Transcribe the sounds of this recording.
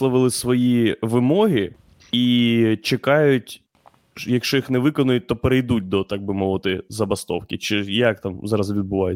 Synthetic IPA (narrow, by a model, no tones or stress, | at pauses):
lˠɐʋɪlˠɪsʋɔjiʋɪmɔɦi | it͡ʃekɑjʊtʲ | jɐkʃt͡ʃɔjixnɛʋɪkɔnʊjʊt̚ʲt̪ɔpeɾejd̪ut̚ʲd̪ɔt̪ɑɡ̚bɪmɔʋɪt̪ɪzɐbɐst̪ɔ̰wkʲɪt͡ʃɪjɐk̚t̪ɑmzɑɾɐzʋʲid̪̚bʊʋɑjʊ